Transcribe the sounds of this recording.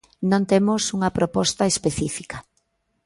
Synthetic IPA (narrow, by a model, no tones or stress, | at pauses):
nõnt̪emosuŋɐpɾopɔst̪ɐespeθifikɐ